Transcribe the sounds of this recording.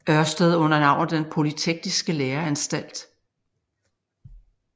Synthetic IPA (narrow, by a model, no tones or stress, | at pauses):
ɶɐsd̥əð̞̩ˠɔ̽n̰ɐnɑ̈ʊ̰nð̩ˠd̥enpʰo̝lit͡sʰeɡ̥̚d̥isɡ̥əleːɐænsd̥æl̰d̥